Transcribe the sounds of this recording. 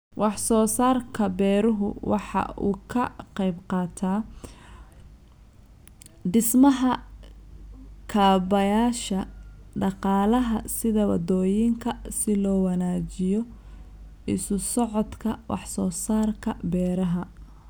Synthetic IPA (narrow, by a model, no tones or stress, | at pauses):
wɑħsɔːsaːrkʰɐbɛːɾʊɦʊ̰wɑ̰ħɑ̰ṵːkʰɐqɛjbqɑːt̪ʰaː | ɖɪsmɐɦɐ | kʰaːbɐjaːʃɐɖɑqɑːlɐɦɐsɪðɐwɑ̰d̪ɔːjɪŋkʰɐsɪlɔːwɑnaːt͡ʃɪjɔ | ɪsʊsɔʕɔd̪kʰɐwʔɑ̰ħsɔːsaːrkʰɐbɛːɾɐɦɐ